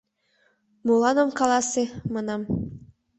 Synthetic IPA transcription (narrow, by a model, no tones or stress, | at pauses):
mulɑnɤmkɑlˠɑsemɑnɑm